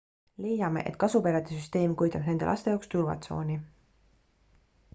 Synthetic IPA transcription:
le̞jɑme̞̰ʔe̞̰t̪kɑsupeɾɑd̪̥esyst̪e̞ːmkujt̪ːˑɑb̥ne̞nd̪e̞̰ʔɑ̰st̪eoːkst̪urvɑ̰t̪so̞̰ːnʲi

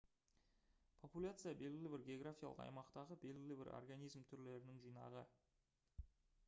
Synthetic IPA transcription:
pʰo̞pulʲat̪sɨjabe̞lɡʲɪlʲɪbɪɾɡʲe̞o̞ɡɾafʲijalˠə̰qɑ̰jmɑqt̪ɑʁəbe̞lɡʲɪlɪbɪ̰ɾo̰rɡanijzmt̪ʰʏɾle̞ɾɪnɪŋʒijnɑ̰ʁə

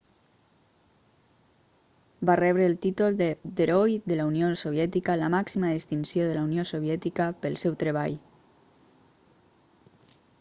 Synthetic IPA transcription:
barɛβ̞ɾəːlˠt̪it̪ulˠd̪eɾojd̪əlauniosoβ̞jɛt̪ikələmaksimaðest̪insjoðəlauniosoβ̞jɛt̪ikəpəlˠsɛwt̪ɾəβ̞a̰ʎ

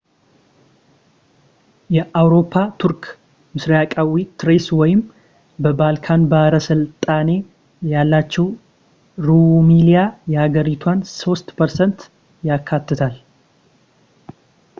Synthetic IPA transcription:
jɛʔawɾo̞pʰːat̪ʰuɾk | mɨsɾiakʼawit̪ʰɾeswɔjɪm | bəbalkʰanbəhəɾəsɨlt̪ʼane̞ | jalːat͡ʃːɛw | ɾumilijajɛhaɡəɾit̪ʰwanso̞st̪pʰəɾsənt̪ | jakʰːat̪ːɨt̪ʰal

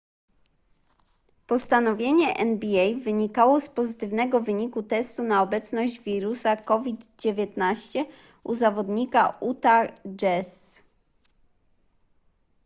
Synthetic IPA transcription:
pɔst̪anɔvʲjeɲɛʔɛnbʲiɛjvɘɲikawɔspɔzɘt̪ɘvnɛɡɔvɘɲikut̪ɛst̪unaɔbɛt̪snɔʑd͡ʑvʲiɾusakɔvʲid̪d͡ʑevʲjɛt̪naɕt͡ɕɛ | uzavɔd̪ɲikaʔut̪ad͡ʒɛs

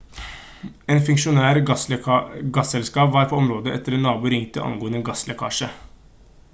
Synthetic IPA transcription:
eːnfʉŋʂʊnæːɾ | ɡɑsɛlskɑːpʋɑːɾpʰɔːɔmɾoːd̪əɛ̰t̪ːəɾɛnːɑːbuːɾʏŋt̪əʔɑ̰ŋɡoːənəɡɑslɛkʰɑ̰ːʂə

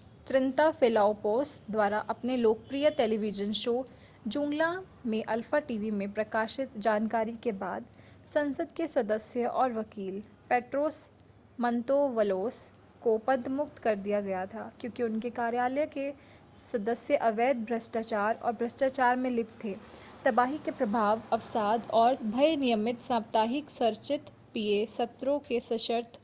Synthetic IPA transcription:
t͡ʃɾɪ̃nt̪afɪːlaːopoːsʈd̪waːɾaʔɐpneloːk̚pɾiːjəʈɛːliʋɪd͡ʒənʃoː | d͡ʒʊ̃ːŋɡla | mẽʔɐlfaʈiːʋimẽpɾɐkaːʃɪt̪d͡ʒaːnkaːɾikeba̰ːd̪ | sɐ̃nsəd̪kesɐd̪əsjəʔɔːɾʋɐkiːl | pɛːʈɾoːs | mɐ̃nt̪oʋɐloːs | kopɐd̪ʱːmʊk̚t̪kɐɾd̪ijaɡɐjat̪ʰaːkjõːkiʊnkekaːɾjaːləjke | sɐd̪əsjəʔɐʋeːd̪̚bʱɾɐsʈaːt͡ʃaːɾɔ̰ːɾbʱɾɐsʈaːt͡ʃaːɾmẽlɪpt̪ʰeː | t̪ɐbaːɦikepɾɐbʱaːʋɐfsaːd̪ɔːɾbʱɐjnɪjəmɪt̪sãːpt̪aːɦɪksɐɾt͡ʃɪt̪ | piesɐt̪ɾõkesɐʃəɾt̪ʰ

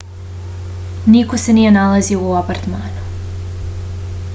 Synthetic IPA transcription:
nikosenijenalaziooapaɾt̪maːnu

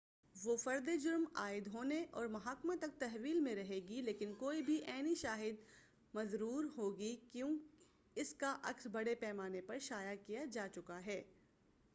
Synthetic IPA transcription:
ʋofɐɾd̪ed͡ʒʊɾmaːɪd̪ɦoːneʔɔːɾmɐɦaːkmãt̪ɐk̚t̪ɛɦʋiːlmẽɾɐɦeːɡileːkɪnkoːibʱiʔɛːniʃaːɦɪd̪̚ | mɐzɾuːɾɦoːɡikjõːk | ɪskaʔɐksbɐɽepɛːmaːnepɐɾʃaːjakijad͡ʒaːt͡ʃʊkaɦɛː

